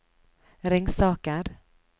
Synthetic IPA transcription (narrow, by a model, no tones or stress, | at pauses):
ɾɪŋsɑːkaɾ